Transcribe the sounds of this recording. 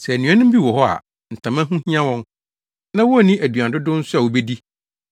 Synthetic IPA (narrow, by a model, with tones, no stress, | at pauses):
sɛ˨nũ˨˦ã˦nʊ̃˦m˦bi˦wɔ˨ɦɔ˦a̰˨ | n̩˨tʰã˨mã˦ɦũ˦hĩ˦ã˦wɔ̃˦n | nã˦wɔ˦˨nĩ˦ʔæ˨dɥã˨n˨dʊ˦dʊ̃˦n̩˦sʊ˦a˨wo˨be˦di˦